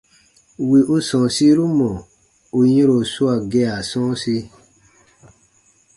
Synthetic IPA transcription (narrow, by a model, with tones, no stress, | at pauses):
wi˨ʔu˦sɔ̃˨si˦ɾu˦mɔ̃˨ | u˧jĩ˦ɾo˨su˦a˨ɡɛ˦˧a˨sɔ̃˦si˧˦